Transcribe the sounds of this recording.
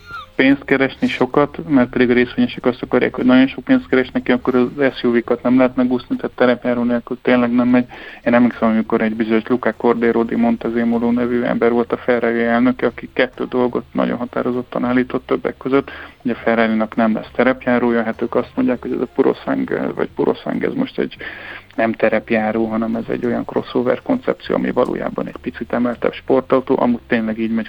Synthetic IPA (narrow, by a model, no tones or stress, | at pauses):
peːnst̪kɛɾɛʃniʃo̞kɒt̪mɛrt̪̚pɛd̪iɡɒɾeːsʋeːɲɛʃɛkɒst̪ɒkɒɾja̰ːkho̞ɟnɒɟo̞nʃo̞k̚peːnst̪kɛɾɛʃnɛkiɒkːoɾɒɛsjuːvikɒt̪nɛmlɛɦɛt̪nɛɡuːsnit̪aːt̪ːɛɾɛpjaːɾoːnelkylt̪eːnlɛɡnɛmːɛɟeːnɛmliksɛmɒmiko̞ɾɛɟbizoɲoʃlukako̞rd̪eːɾod̪imo̞nt̪ɛzeːmoloːnɛvyːɛ̰mbɛrʋo̞lt̪ɒfɛraːliɛlnø̞kɛɒkikɛt̪ːø̰ːd̪o̞lɡo̞̰t̪nɒ̰ɟo̰nɦɒt̪a̰ːɾo̞zo̞t̪ːɒnaːlːiːt̪ot̪ːøbːɛ̰kːøzøt̪ːhoɟɒfɛrɛlinɒknɛmlɛ̰st̪ɛɾɛpjaːɾoːjøɦɛt̪øːkɒst̪mo̞ɲɟaːkhoɟɛ̰zɒpuɾo̰sɛ̰ŋɡ̰vɒ̰cpuɾo̞̰sɛ̰ŋɡɛ̰zmo̞ʃt̪ɛ̰ɟnɛmt̪ɛɾɛpjaːɾoːɦɒnɛmɛzɛ̰ɟːo̞jɒŋkro̞sːoːvɛ̰rko̞nt̪sɛ̰p̚tsijo̰ːɒ̰mʔḭvɒlʔo̰ːja̰ːbɒ̰nɛɟpit̪sit̪ɛmɛlt̪ɛ̰pʃpo̞rt̪ɒut̪o̰ːʔɒ̰muːctʲt̪eːnlɛɡiːɟmɛɟ